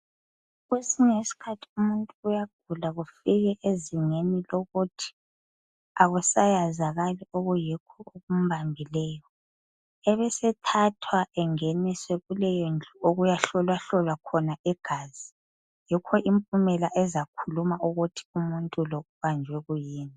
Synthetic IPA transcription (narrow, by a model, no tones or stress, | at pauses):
ɣusiŋesi̥kʰatʰi̥umuntʼuːjaɡ̥̚ʱulaɣufiɣɛʔeziŋeniloɣutʰi̥ | aɣusajazaɣalioɣujikʰɔoɣum̩βambʱilɛːjɔ | ɛβɛsɛtʰatʰwaʔɛŋeniswɛɣulɛjend͡ɮʱuoɣujaɬɔlwaɬɔlwakʰɔnaʔɛɡ̥ʱaːzi | jikʰɔʔimpʼumɛlaʔɛzakʰulumaʔuɣutʰi̥umuntʼulɔɣuβand͡ʒʱwɛɣujiːni